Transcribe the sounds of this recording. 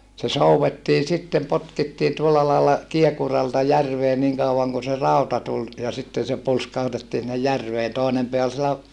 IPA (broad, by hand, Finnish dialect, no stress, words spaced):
se souwetːiː sitːem potkitːiːn tuolːɑ lɑːlːɑ kiekurɑltɑ jærʋeː niŋ kɑuɑŋ kun se rɑˑutɑ tul jɑ sitːen̞ se pulskɑhutetːiː sinːej jærʋeːn toˑinem peæ ol sielæ